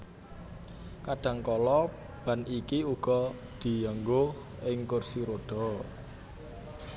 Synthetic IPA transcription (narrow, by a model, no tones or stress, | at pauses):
kaɖ̥ä̤ŋkɔlɔ | b̥a̤nikiuɡ̥ɔ̤ | d̪̥i̤jaŋɡoh | ɪŋkʊrsiɾoɖ̥ɔ̤